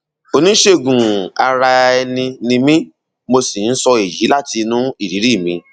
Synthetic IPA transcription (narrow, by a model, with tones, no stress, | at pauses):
o˧nĩ˦ʃe˦ɡũ˨a˧ɾa˧ɛ˧nĩ˧nĩ˧mĩ˦ | mo˧si˨n̩˦sɔ˧e˨ji˨˦la˦ti˧nũ˦i˦˨ɾi˨˦ɾi˦˨mĩ˧